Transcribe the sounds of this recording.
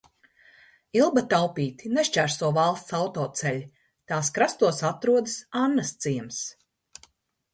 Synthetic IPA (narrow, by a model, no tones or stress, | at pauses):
ilˠbat̪awpiːt̪ineʃt͡ʃæɾsuɔvalˠst̪sawt̪ɔːt̪sɛlʲi | t̪aːskɾast̪uɔsat̪ɾuɔd̪ɨsanːɐst̪siɛms